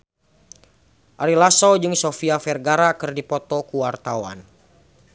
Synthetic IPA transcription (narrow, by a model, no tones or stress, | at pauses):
ʔaɾilasɔwd͡ʒɨŋsofiafɛrɡaɾakɨrdipɔt̪ɔkuwart̪awa̰n